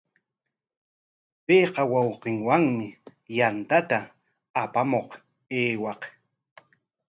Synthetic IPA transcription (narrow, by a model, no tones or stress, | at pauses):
pejqɑwɑwqɪŋwaŋmɪjant̪at̪aː | pamoq | eːwɑq